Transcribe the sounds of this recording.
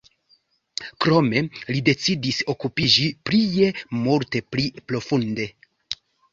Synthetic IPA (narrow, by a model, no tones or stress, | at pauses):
kɾo̞me̞lide̞t͡sidiso̞kupid͡ʒiplije̞multe̞plipɾo̞funde̞